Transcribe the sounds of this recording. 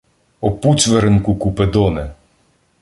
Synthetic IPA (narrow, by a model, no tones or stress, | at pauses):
ɔput͡sʲʋeɾenkʊkʊped̪ɔnɛ